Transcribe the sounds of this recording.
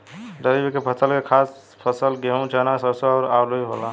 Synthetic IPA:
dəɾibkepʰəsəlkekʰas | pʰəsəlɡeɦũt͡ʃʰanasəsoaʊɾalojɦola

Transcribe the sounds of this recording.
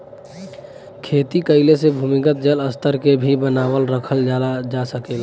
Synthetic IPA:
kʰeːt̪ikəɪlesebʱumikət̪̚d͡ʒələst̪əɾkebʱibənaːwəlɾəkʰəld͡ʒaad͡ʒasəkeːla

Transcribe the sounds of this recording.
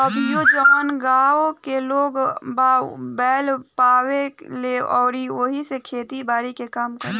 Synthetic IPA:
ɐbjod͡ʒəənɡaːokeloːɡbabɛːlpaːweleɔːɾiʋoɦisekʰeːt̪ibaːɾikekaːmkɐɾ

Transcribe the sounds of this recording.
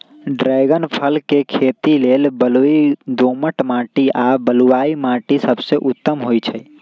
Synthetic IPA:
ɖɾaːɡənpʰəlkekʰeːt̪ileːlbəluid̪oːməʈmãːʈiʔaːbəluwaːimãːʈisəbseʔʊt̪ːəmɦoit͡ʃʰɛ

